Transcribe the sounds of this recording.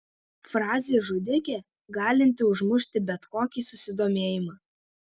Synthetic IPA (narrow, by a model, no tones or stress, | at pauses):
fɾɑːzʲeːʒʊd̪ʲɪkʲeː | ɡɑːlʲɪnʲt̪ʲɪʊʒmʊʃʲt̪ʲɪbʲɛt̪koːkʲiːsʊsʲɪd̪oːmʲeːjɪmɑː